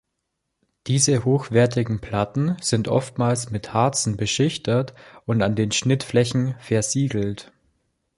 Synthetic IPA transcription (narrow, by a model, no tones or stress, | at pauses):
d̥iːzəhoːxv̥ɛɐt̬ɪɡŋ̩pʰl̥atn̩z̥ɪntʔɔ̰ftmaːlsmɪthaɐt͡sn̩bəʃɪçtɐtʔʊntandeːnʃnɪtflɛçn̩fɛɐziːɡl̩t